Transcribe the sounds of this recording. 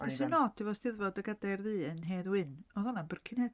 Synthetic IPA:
ɛsənɔːdʰivɔsd̥ɪðvɔdəɡadarðɨːənɦeːðwɨnɔðɔnabərkʰɪnhɛd

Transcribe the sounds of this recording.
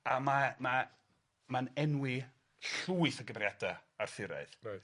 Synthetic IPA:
amama | manɛnwɪ | ɬuːɨθəɡəmrjadaarθɪɾa̰ɨðraj

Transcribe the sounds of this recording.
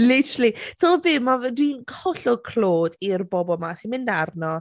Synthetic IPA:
lɪtʰəɾlˠitʰɔbɨːmadwinkhɔɬʊkʰl̥oːdirbɔbɔlˠmasinmɪndarnɔ

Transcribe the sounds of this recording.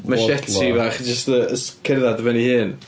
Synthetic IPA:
maʃɛtʰivaχd͡ʒəstəəskʰɪrðadəvɛnihɨːn

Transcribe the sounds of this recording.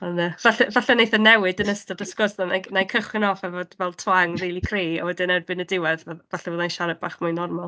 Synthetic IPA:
ɔnəvaɬɛvaɬɛnejθənɛwɨdənəstɔdəskɔsðɔnanajkʰəχwɪnɔfɛvod̥vɛlˠtʰwaŋriːlˠikʰreːɔ̰wɛdɪnɛrbɨnədɪwɛðvɛvaɬɛvoːðajnʃaɾɛbaːχmajnɔrmalˠ

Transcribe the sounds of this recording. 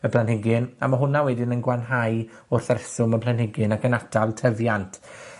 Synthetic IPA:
əpʰlanɦɪɡɪna̰maɦʊnawɛdɪnənɡwanɦaj | ʊrθarɛsʊməpʰlˠanhɪɡɨnakənatʰalˠtʰəvjantʰ

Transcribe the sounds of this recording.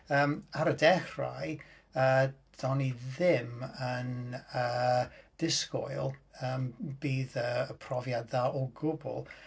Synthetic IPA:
əːmaɾədɛχra̰j | ə | d̥ɔniðɪmənəd̥ɪskɔ̰jlˠəːmbiːðəəpʰrɔvjadðaʔɔɡʊbʊ̰lˠ

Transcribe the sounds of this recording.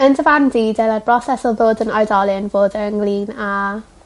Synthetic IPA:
əndʰəvandidɛlˠadbrɔsɛsəlvoːdənɔjdɔlˠɪnvoːdəŋliːna

